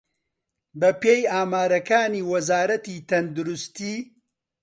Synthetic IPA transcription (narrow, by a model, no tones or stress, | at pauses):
bɐpejaːmaːɾɐkaːniːwɐzaːɾɐt̪iːt̪ɐnd̪uɾust̪iː